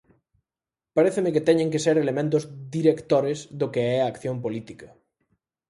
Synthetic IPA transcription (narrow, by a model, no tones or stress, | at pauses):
paɾeθɪmɪkɪt̪ɛɲẽŋkeseɾelemẽnt̪ʊzðiɾekt̪oɾezðʊkeɛaaːkθjompolit̪ikɐ